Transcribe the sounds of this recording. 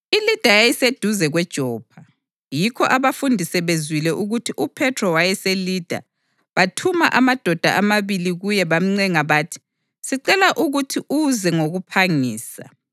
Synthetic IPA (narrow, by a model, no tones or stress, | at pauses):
ilid̥ʱajejised̥ʱuzɛɣwɛd̥ʒ̥ʱɔːpʰa | jikʰɔʔaβafundʱisɛβezwilɛʔuɣutʰiʔupʰɛtʰrɔwajɛselid̥ʱa̰ | βatʰuma̰ʔamad̥ʱɔd̥ʱa̰ʔamaβiliɣujɛβam̩ŋ͡ǀɛŋaβaːtʰi̥ | siǀɛlaʔuɣutʰiʔuzɛŋoɣupʰaŋiːsa̰